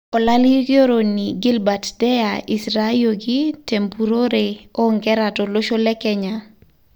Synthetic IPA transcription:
ɔ˨laliɡjo˦ɾo˨niɡi˦lbatdɛ˦ai˨sɾajoɡite˨mbu˨ɾo˦ɾeɔ˦ŋɡɛɾatɔ˨lo˦ʃo˦lɛ˦kɛɲa

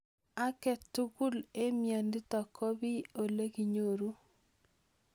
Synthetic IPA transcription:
a˦kɛ˨tu˦ku˦le˦mja˨ndi˦tɔ˨kʰɔ˦βi˦o˨le˦ki˨ɲo˨ɾu˦

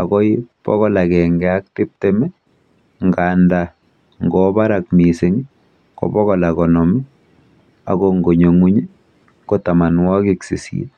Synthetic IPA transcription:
a̰˨kɔ˦ipɔ̰˦ɣɔ˦la˨kɛ˨ŋɡɛ˦a˦k̚tɪ˦p̚te˦mɛ˦ | ŋɡa˨nda | ŋɡɔba˦ɾa˨kmi˨se˨ŋi˦ | kɔ̰bɔ˦ɣɔ˨la˨kɔ˨nɔ˨mi˦ | a̰˨kɔŋɡo˨ɲo˨ŋu˦ɲi˦ | ko˦ta˨ma˨nwɔ˦ki˦ksḭ˨sḭ˨t̚

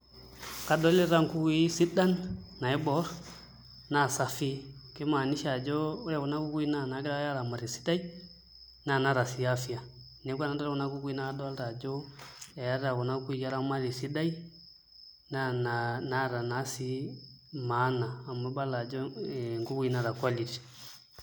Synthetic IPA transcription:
ka˨˦dɔ˦lɛ˦ɾa˦ŋku˦kwi˦si˦ɗa˦nna˨ɛ˦bɔ˦ɾ | na˦˨sa˨fi˦kɛ˦ma˨ni˦ʃa˨d͡ʒɔ˦ɾɛ˦kɔ˨na˦ku˦ku˦i˦na˨na˨˦ɡɾa˦ja˦ɾa˨ma˨ɾi˨si̥˦da˦i˦ | na˨na˨˦ɾa˨si˨a˦fi˦a˨ | nɛ˨˦kʷa˦na˨˦dɾɔ˦na˦ku˦ɡu˦i˦na˦dɔ˦a˦lɾa˨d͡ʒɔ˦ɛ˨ja˦ɾa˨kɔ˨na˦ku˦i˨ja˦ɾa˦ma˦ɾi˨si˦da˦i˦ | na˦nna˦˨ɾa˨na˨˦si˦ | ma˨˦naː˨mɔ˦ba˦la˨d͡ʒɔ˦˨ŋɡu˦ɡi˦na˦˨ɾa˨kwa˦li˨ti̥˨

